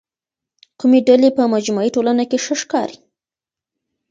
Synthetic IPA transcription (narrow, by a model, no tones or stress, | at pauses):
kumeɖalepəmad͡ʒmaiʈolanakeʃəʃkɑɾi